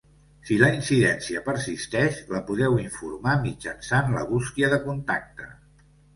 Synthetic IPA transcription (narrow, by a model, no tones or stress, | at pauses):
siləinsiðɛnsiəpəɾsist̪ɛʃləpuðɛwiɱfuɾmamid͡ʒənsanlə̰βuskiəðəkunt̪ak̚t̪ə